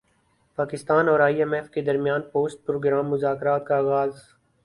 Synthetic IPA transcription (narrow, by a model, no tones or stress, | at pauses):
paːkɪst̪aːnɔːɾaːiɛmɛfked̪ɐɾmjaːnpoːsʈ̚pɾoːɡɾaːmːʊzaːkɾaːt̪kaaːɣaːz